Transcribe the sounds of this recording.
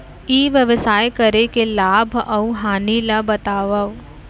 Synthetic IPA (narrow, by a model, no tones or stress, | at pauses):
iːʋjɐʋəsaːjkɐɾekelaːbʱɐuɦaːnilabɐt̪aːʋəʋ